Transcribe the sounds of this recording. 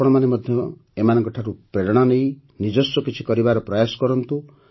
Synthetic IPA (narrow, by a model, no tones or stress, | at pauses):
ɔɽ̃ɔmanemɔd̪ʱjɔ | emanɔ̃ŋkɔʈʰaɾupɾeɾɽ̃anej | nid͡ʒɔsɔkit͡ʃʰikɔɾibaɾɔpɾɔjasɔ̥kɔɾɔnt̪u